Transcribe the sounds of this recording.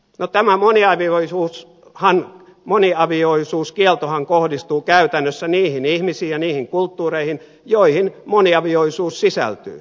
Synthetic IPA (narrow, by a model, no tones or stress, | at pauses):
not̪æmæmoniɑʋioisuːs | hɑn | moniɑʋioisuːskielt̪ohɑŋkohdist̪uːkæyt̪ænːøsːæniːhinihmisiːjɑniːhiŋkult̪ːuːreihin | joihinmoniɑʋioisuːssisæ̰lt̪y̰ː